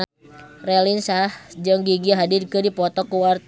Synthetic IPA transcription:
rɛlinsahd͡ʒəŋɡiɡiaɦadirkɨdipɔt̪ɔkuwart̪

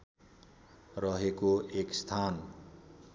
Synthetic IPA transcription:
rʌɦekoʔekst̪ʰan

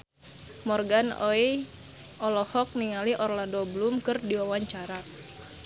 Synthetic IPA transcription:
mɔrɡanɔ̰i | ʔɔlɔhɔk̚niŋaliʔɔrlandɔblumkɨrdiwawaɲt͡ʃaɾa

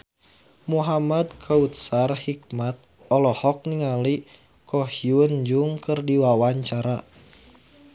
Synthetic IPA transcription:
muɦamad̪kʰaut̪̚sarhik̚mat̪̚ | ɔlɔhɔk̚niŋali | kɔhiund͡ʒuŋkɨrdiwawaɲt͡ʃaɾa

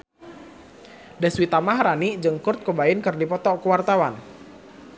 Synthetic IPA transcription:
dɛswit̪amaɦɾanid͡ʒɨŋkʊrt̪̚kəbaɪnkɨrdipɔt̪ɔkəwart̪awan

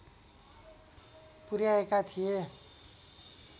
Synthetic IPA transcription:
puɾjaekat̪ʰije

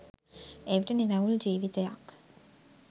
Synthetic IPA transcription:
eʋiʈəninɐʋuld͡ʒiːʋit̪eja̰k

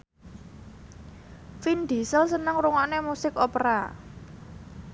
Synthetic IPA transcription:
find̪̥i̤səlsənəŋɾuŋanemusɪkopɾa̰

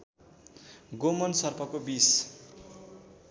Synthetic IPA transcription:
ɡomʌnsʌrpʰʌkobis

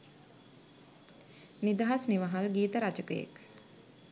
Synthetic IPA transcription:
nid̪aɦasniʋaɦalɡiːt̪əɾat͡ʃəkəjḛk

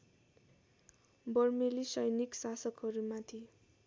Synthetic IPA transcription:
bʌrmelisʌjniksasʌkɦʌɾumat̪ʰi

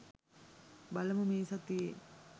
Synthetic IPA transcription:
bɐlɐməmeːsɐt̪ie

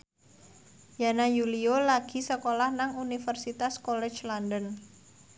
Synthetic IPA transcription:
janajuliolaɡ̥i̤səkolahnaŋunifərsit̪askɔlɛ̥t͡ʃlɔndən

